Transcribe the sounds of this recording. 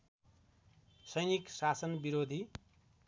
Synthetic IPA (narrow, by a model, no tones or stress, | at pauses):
sʌjniksasʌnbiɾod̪ʱi